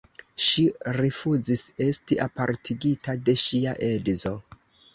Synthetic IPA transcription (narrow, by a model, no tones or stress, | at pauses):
ʃiɾifuzise̞stiʔapaɾtʰiɡitade̞ʃiaʔe̞dzo̞